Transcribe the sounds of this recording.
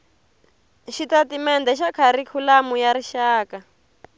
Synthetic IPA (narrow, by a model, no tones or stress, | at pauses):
ʃitatimɛndɛʃ̬akʰaɾikʰulamujaɾiʃaːka